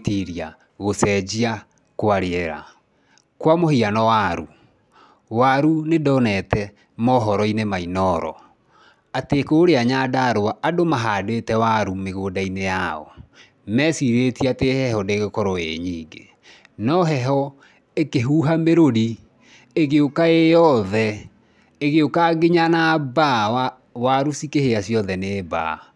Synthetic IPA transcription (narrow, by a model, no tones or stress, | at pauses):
tiɾia | ɣosɛd͡ʑia | koaɾeɛɾa̰ | kwamohianɔwaɾu | waɾunedɔnɛtɛ | mɔɦɔɾɔinemainɔɾɔ̰ | atekoːɾeaɲadaːɾoaʔadomaɦadwetɛwaɾumeɣoːdainejaɔ̰ | mɛsiɾetiatehɛɦɔdeɣekɔɾɔḛɲiːŋɡḛ | nɔɦɛɦɔ | ekeɦuːɦameɾoɾi | eɣeokaejɔðɛ | eɣeokaɡeɲanaba | waɾusikeheasjɔðɛneːba̰